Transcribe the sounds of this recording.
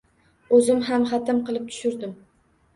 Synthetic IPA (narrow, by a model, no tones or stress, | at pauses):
ɵzɪmɦamχɑt̪ʰɪmqɨlˠɪp̚t̪ʰʊ̥ʃʊɾd̪ɪm